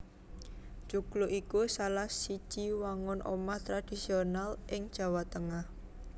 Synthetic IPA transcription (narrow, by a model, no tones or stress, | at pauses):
ʒ̥ukluʔikusalahsi̥ʒ̥iwaŋʊnʔo̰maht̪ɾad̥i̤sionalʔɪŋd̥ʒ̥a̤wat̪əŋah